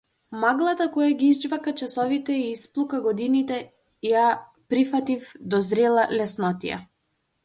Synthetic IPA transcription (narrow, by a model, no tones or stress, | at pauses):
maɡlˠat̪akɔjaɡiizd͡ʒvakat͡ʃasɔvit̪ɛiːsplˠukaɡɔd̪init̪ɛ | ja | pɾifat̪ifd̪ɔzɾɛlˠalɛsnɔt̪ḭja̰